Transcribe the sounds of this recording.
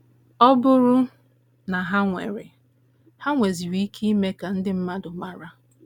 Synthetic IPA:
ɔ˦bʊ˦ɾʊ˦ | na˨ɦa˦ŋʷḛ˨ɾɪ˨ | ha˦ŋʷe˨zi˨wi˨˦i˦kʰi˦i˦me˦ka˨n̩˦dɪ˦m̩˦ma˦dʊ˨ma˦ɾa˦

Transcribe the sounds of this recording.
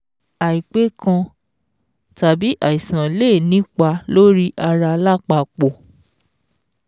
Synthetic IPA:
a˨i˨k͡pe˨˦kã˧ | ta˨bi˨˦ʔa˨i˨sã˨le˦˨nĩ˦k͡pa˧lo˦ɾi˦ʔa˧ɾa˧la˦k͡pa˧˨k͡po˨

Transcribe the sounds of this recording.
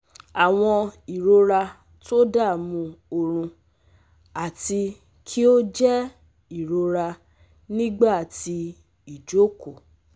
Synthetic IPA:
a˨w̃ɔ̃˧i˨ɾo˧ɾa˧ | to˦da˦˨mũ˧o˧ɾ̃ũ˧ | a˨ti˧ | kʰi˦o˦d͡ʒɛ˦ | i˨ɾo˧ɾa˧ | nĩ˦ɡ͡ba˦˨ti˧ | i˨d͡ʒo˦ko˨

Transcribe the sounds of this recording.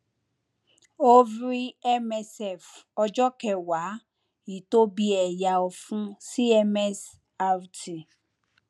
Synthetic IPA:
o˦vɾi˦ɛ˦mɛ˦sɛ˦˨fɔ˨d͡ʒɔ˦kɛ˨wa˨˦ | i˨to˦bi˦ɛ˨ja˨ɔ˨fũ˦si˦ɛ˦mɛ˦s | a˦vtʰi˨

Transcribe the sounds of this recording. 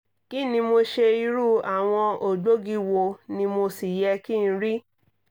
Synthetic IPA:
ki˦˨nĩ˧mo˧ʃe˧i˧ɾu˦a˨w̃ɔ̃˧o˨ɡ͡bo˦ɡi˦wo˧˨nĩ˧mo˧si˨jɛ˧ki˦˨ñ̩˦ɾi˦

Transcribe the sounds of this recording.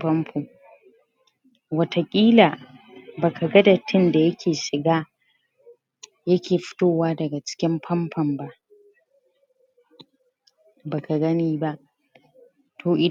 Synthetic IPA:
pɐ˦mpʰoː˨ | wɐ˦tʰa˨kʲʼiː˦laː˨baː˨kʰa˨ɡɐ˦da˨tʰɪ˦nda˨jɐ˦kʲʰeː˨ʃɪ˨ɡaː˦ | jɐ˦kʲeː˨ɸɪ̥˦toː˦˨waː˦dɐ˨ɡa˨t͡ʃɪ̥˦kʲɪ˦mɸʰɐ˦mɸʰɐ˨mba˦ʔ | baː˨ka˨ɡɐ˦niː˦ba˦ʔ | tʰoː˨ʔɪ˨

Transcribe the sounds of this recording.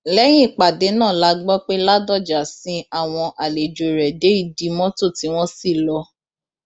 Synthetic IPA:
lɛ˦j̃ĩ˦˨k͡pa˨de˨˦nãː˦˨la˨˦ɡ͡bɔ˦k͡pe˦la˦dɔ˦˨d͡ʒa˨sĩ˧˦a˦˨w̃ɔ̃˧ʔa˨le˨d͡ʒo˨ɾɛ˨de˨˦i˦˨di˨˦mɔ̃˦to˦˨ti˨˦w̃ɔ̃˦si˦˨lɔ˧˦

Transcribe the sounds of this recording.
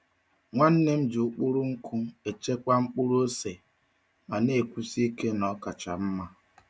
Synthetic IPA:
ŋʷa˦n̩˦ne˦m̩˦d͡ʒɪ˨ʊ˨k͡pu˦ɾʊ˦ŋ̩˦kʊ˦e˨t͡ʃe˦kʷa˦ŋ͡m̩˦k͡pu˦ɾu˦o˦se˨ | ma˨ne˨kʷu˦si˦ke˦nɔ˦ka˨t͡ʃa̰˨m̩˦ma˦

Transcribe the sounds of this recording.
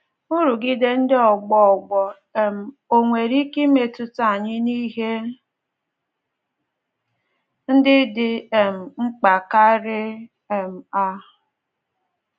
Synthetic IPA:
u˦ɾu˨ɡi˦de˦n̩˦dɪ˦ɔ˨ɡ͡bɔ˦ɔ˨ɡ͡bɔ˨ | e˨m̩˨ | o˨ŋʷe˨ɾi˦ki˦me˨tʊ˦ta˦˨ɲɪ˦ni˦ɦe˦ | n̩˦dɪ˦dɪ˨e˨m̩˨ŋ͡m̩˦k͡pa˨ka˦ɾɪ˦ | e˨m̩˨a˦

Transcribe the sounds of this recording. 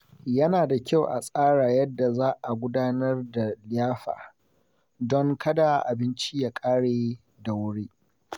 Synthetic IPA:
jɐ˦naː˨da˨kʲa˦wʔa˨sʼaː˦ɽaː˨jɐ˦dːa˨zaː˦ʔa˨ɡʷʊ˦daː˦nɐ˦rda˨lɪ˦jaː˦ɸa̰ː˨ | dɔ˦ŋkʰɐ˦da˨ʔa˨bɪ˦nt͡ʃi˦jaː˦˨kʼaː˦ɽeː˨ | da˨wʊ˦ɽeː˦

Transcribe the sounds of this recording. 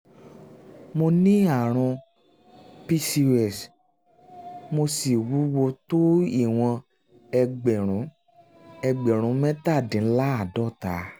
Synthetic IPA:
mo˧nĩ˦a˦˨ɾ̃ɔ̃˧ | pi˦si˧ɛ˦˨s | mo˧si˨wu˨˦wo˧to˦i˦˨w̃ɔ̃˧ | ɛ˧ɡ͡bɛ˨ɾ̃ũ˨˦ | ɛ˧ɡ͡bɛ˨ɾ̃ũ˨˦mɛ̃˦ta˦˨dĩ˨˦n̩˦la˦a˦˨dɔ˦˨ta˨˦

